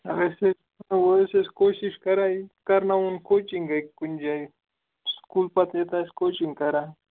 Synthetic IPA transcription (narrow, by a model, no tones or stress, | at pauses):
awese | woeseskoʃɪʃkaɾajkaɾnawʊnkot͡ʃɪŋɡajkʊnd͡ʒaj | skulpat̪et̪askot͡ʃɪŋkaɾa